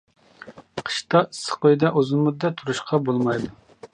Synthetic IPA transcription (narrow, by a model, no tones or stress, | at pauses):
qʰə̥ʃt̪ɑɨsːə̥qʰojd̪ɛʔozɨmud̪ɛt̪ʰuɾuʃqʰɑbolˠmɑjd̪u